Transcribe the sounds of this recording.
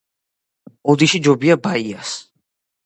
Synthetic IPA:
ɔd̪iʃid͡ʒɔbiabaias

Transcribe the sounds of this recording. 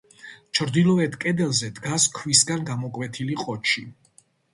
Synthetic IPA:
t͡ʃʰɾd̪ilˠɔɛt̪ʰkʼɛd̪ɛlzɛd̪ɡaskʰwisɡanɡamɔkʼwɛt̪ʰiliqʼɔt͡ʃʰi

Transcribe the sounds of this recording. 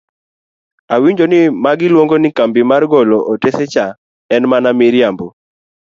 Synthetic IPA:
awiɲd͡ʒonɪmaɡɪlwoŋɡonɪkambɪmarɡɔlɔʔotesɛt͡ʃa | ɛnmanamɪɾjambo

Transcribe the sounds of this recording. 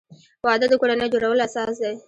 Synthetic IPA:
wɑd̪əd̪əkoɽanəjd͡ʒoɽawəlasɑsd̪aj

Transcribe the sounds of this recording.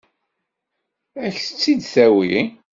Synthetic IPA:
æçθə̥t͡sːid̪θæwii

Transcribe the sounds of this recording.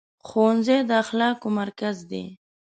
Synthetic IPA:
xonzed̪əaxlɑːkomaɾkazd̪ḛ

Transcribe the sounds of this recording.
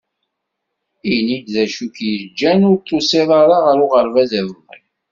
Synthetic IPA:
inid̪ðæʃukjəɾd͡ʒːænʊɾt̪ʰˤːosiðˤɑɾɑʁəɾʊʁəɾvæðævəðḭ

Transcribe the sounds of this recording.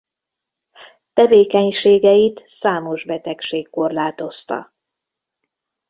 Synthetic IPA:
t̪ɛveːkɛɲʃeːɡɛjit̪saːmo̞ʒbɛt̪ɛkʃeːkːo̞rlaːt̪o̞st̪ɒ̰

